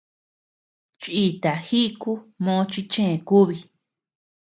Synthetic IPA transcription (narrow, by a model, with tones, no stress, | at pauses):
t͡ʃi˦˧t̪a˨xi˦˧ku˦mõ˧˦t͡ʃi˧t͡ʃẽ˦ẽ˨ku˦βi˧